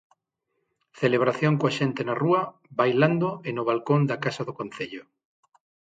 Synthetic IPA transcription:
θeleβ̞ɾaθjoŋkwaʃent̪enaruɐ | βajland̪oenʊβ̞alkond̪akasaðʊkonθeʎʊ

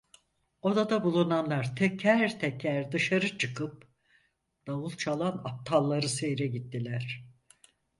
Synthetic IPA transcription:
o̞d̪ad̪abulˠunanlˠaɾt̪ʰɛcʰæɾt̪ʰɛcʰæɾd̪ɯʃaɾɯt͡ʃʰɯkʰɯp̚ | d̪̥avulˠt͡ʃʰalˠana̰p̚t̪ʰalˠːaɾɯse̞jɾɛɟit̪ːilʲæɾ̥

